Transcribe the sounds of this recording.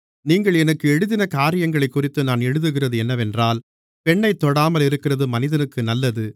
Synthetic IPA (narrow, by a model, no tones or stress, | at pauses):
niːŋɡɐɭɛnɐkːɯɛɽɯðɪnɐkaːɾɪjɐŋɡɐɭɐɪkːʊrɪt̪ːɯnaːnɛɽɯðɯɣɪrɐðɯɛnːɐʋɛndraːl | pɛɳːɐɪt̪ːɔɽaːmɐlɪɾɯkːɪrɐðɯmɐnɪðɐnɯkːɯnɐlːɐðɯ